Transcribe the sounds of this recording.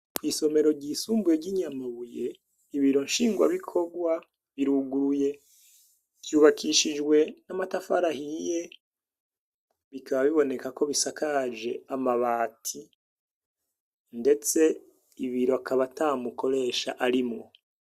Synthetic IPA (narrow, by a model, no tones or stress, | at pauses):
kwiːso̞me̞ɾo̞ɟiːsuːmbuje̞ɟiɲamaβuje̞ | iβiɾo̞nʃiːŋɡwa̰βikʰo̞ɡwa | βiɾuɡuɾuje̞ | kjuːβakʰiʃid͡ʒwe̞namatafaɾahije̞ | βikaβaβiβo̞ne̞kako̞βisakʰad͡ʒe̞amaβaːtʰi | nde̞t͡se̞ | iβiɾo̞akaβataːmuko̞ɾe̞ːʃa̰ʔaɾimŋo